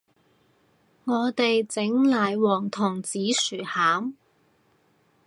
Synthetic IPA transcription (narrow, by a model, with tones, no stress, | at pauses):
ŋɔː˨˧t̪e˨jt͡sɪ˨˥ŋlaː˨˧jwɔː˨˩ŋt̪ʰʊː˨˩ŋt͡siː˨˥syː˨˩haː˨˥m